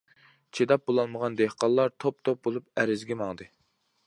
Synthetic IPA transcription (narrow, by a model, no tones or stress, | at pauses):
t͡ʃʰed̪ɑp̚bolˠɑlˠməʁɑnd̪ehqɑlˠːɑɾt̪ʰop̚t̪ʰop̚bolˠup̚æɾɪzɡʲɛmɑŋd̪ɨ